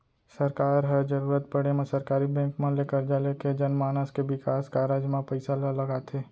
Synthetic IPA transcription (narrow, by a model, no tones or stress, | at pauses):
sɐɾkaːɾɦəɾd͡ʒəɾuːɾət̪̚pəɽemẽsɐɾkaːɾibɛ̃ːŋkmẽlekəɾd͡ʒaleked͡ʒɐnmaːnəskeʋɪkaːskaːɾaːd͡ʒmãpəɪsaləlɐɡaːt̪ʰeː